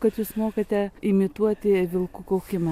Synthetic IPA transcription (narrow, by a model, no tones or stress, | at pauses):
kɐt̪juːsmoːkɐt̪ʲɛɪmʲɪt̪uɔt̪ʲɪʋʲɪlˠkuːkoʊkʲɪmɐ